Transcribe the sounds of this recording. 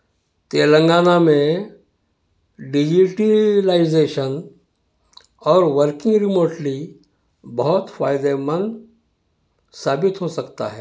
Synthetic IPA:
t̪eːlə̃ŋɡaːnamẽ | ɖɪd͡ʒiʈilaɪzeːʃən | ɔːɾʋəɾkɪ̃ŋɡɾɪmoːʈli | bɐɦʊt̪faːɪd̪emə̃nd̪ | saːbɪt̪ɦosɐkt̪a̰ɦɛː

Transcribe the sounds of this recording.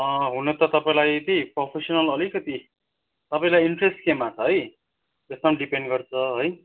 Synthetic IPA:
ʌ̃ɦunʌt̪ʌt̪ʌpaĩlajt̪ipropʰesʌnʌlʌlikʌt̪i | t̪ʌpaĩlajiɳʈresʈkemat͡sʰʌɦʌj | est̪amɖipeɳɖɡʌrt͡sʰʌɦʌj

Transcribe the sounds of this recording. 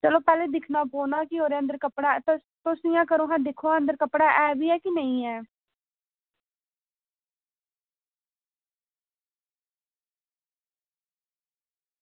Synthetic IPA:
t͡ʃəloːpɛːleːd̪ɪkʰnaːpoːnaːkɪoːɾeːə̃nd̪əɾkəpɽaːt̪ | t̪osɪjãːkəɾõːɦãːd̪ɪkʰoːãə̃nd̪əɾkəpɽaːʔɛːbiːɛːkɪnəĩːɛː

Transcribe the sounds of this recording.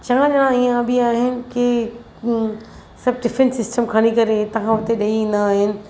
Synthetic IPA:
t͡ʃɐʋãʄɐɽ̃ãiːãbʱiaːɦɪnɪ̆kɪ | sɐbɖɪfẽnsɪsʈəmkʰaːɽ̃ikɐɾet̪ɐɦãʊt̪eɗɐiĩːnd̪aːɦɪnɪ̆

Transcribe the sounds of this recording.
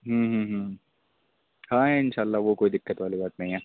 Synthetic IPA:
ɦə̃ːɦə̃ːɦə̃ | hãːɛɪnʃaːlːaʋokoːid̪ɪkːət̪ʋaːlibaːt̪nɐ̃ɦĩɦɛː

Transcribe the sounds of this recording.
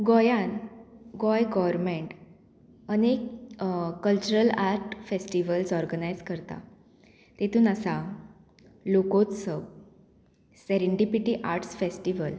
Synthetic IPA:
ɡɔjãnɡɔjɡɔʋɾmeɳʈ | ənek | kːəlt͡ɕuɾəlaɾʈfesʈiʋəlsɔɾɡənajd͡zkəɾt̪a̰ | t̪et̪ʰuːnasa | lokot͡ssəw | sɛɾiɳɖipiʈiʔaɾʈsfesʈiʋəl

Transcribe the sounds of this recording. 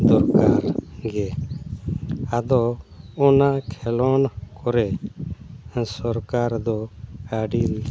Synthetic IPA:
d̪ɔɾkaɾɡɛ | ad̪ɔɔnaʔkʰɛlɔnkɔɾɛ | sɔɾkaɾd̪ɔəɖil

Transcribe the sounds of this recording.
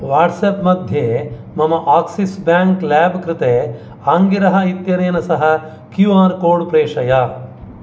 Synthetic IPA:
ʋaːʈsepmɐd̪ʱjeː | mɐmɐʔaːksisbjaːŋklaːbɐkɾɪt̪eː | aːŋɡiɾɐɦɐit̪jɐɾeːnɐsɐɦɐ | kjuaːɾkoːɾɖpɾeːʂɐja

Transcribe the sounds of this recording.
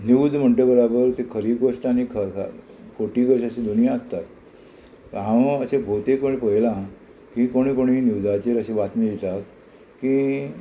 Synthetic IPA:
nuwd̪m̤əɳʈebəɾabəɾt̪ekʰəɾikoʂʈ̪anikʰə | kʰoʈiːɡəɕəɕẽd̪unijaəst̪at̪ | əɦãʋəɕẽbʱot̪ekʋəɳipəɦjlã | kĩkoɽ̃ikoɽ̃iniwd͡zat͡ɕeɾəɕẽʋat̪niit̪ak | ki

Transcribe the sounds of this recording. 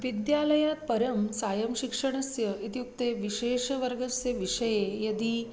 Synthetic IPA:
ʋid̪jaləjat̪̚pɐɾəmsajəmɕikʂəɳ̃ɐsjəit̪juk̚t̪eʋiʃeːʂʋəɾɡɐsjɐʋiʂəjejɐd̪iː

